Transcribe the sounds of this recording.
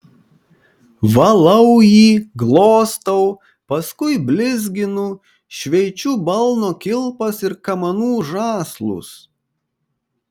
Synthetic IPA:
ʋɐlˠɐʊjiːɡlˠoːst̪ɐʊ | pɐskʊɪbʲlʲɪzʲɡʲɪnʊ | ʃʲʋʲɛɪt͡ʃʲubɐlˠnoːkʲɪlˠpɐsɪɾkɐmɐnuːʒɑːslˠʊ̰s

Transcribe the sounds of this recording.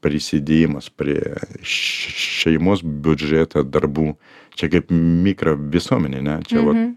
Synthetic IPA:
pʲɾʲɪsʲɪd̪ʲeːjɪmɐspʲɾʲiɛ | ʃʲɛɪmoːsbʲʊd͡ʒʲɛːt̪ʰɐd̪ɐrbuː | t͡ʃʲɛkɐɪpmʲiːkɾɐʋʲɪsuɔmʲɛnʲɪnʲɛt͡ʃʲɛʋɐt̪

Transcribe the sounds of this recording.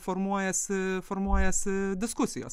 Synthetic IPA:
foɾmuɔjɛsʲɪfoɾmuɔjɛsʲɪd̪ʲɪskʊsʲɪjo̰ːs

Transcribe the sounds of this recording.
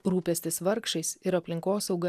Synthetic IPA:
ɾuːpʲɛsʲt̪ʲɪsʋɐɾkʃɐɪsɪɾɐpʲlʲɪŋkoːsɒʊɡɐ

